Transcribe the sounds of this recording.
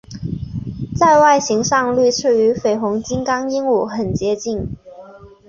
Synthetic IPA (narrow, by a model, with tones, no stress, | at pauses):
t͡sa˥˧ɪwa˥˩ɪɕi˧˥ŋʂɑ˥˧ŋly˥˧ʈ͡ʂʰɻ̩˥˩y˧˥fe˨˩ɪxʊ˧˥ŋt͡ɕi˥nkɑ˥ŋi˥ŋu˨˩xə˨˩nt͡ɕjɛ˧˥t͡ɕi˥˩ŋ